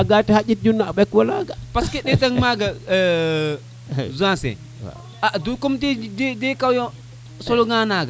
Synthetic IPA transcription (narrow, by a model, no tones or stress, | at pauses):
aɡatihad͡ʒit̚d͡ʒunːaaɓɛkwalaɡapaskeɗɛtaŋmaɡa | zãsɛ̰ | adukomtidedekawjo | soloɡanaɡa